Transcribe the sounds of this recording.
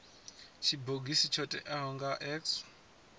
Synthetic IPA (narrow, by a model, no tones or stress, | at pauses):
t͡ʃʰibʱoɡisit͡ʃʰɔtʼɛ̰ʔaɦɔŋɡaʔɛks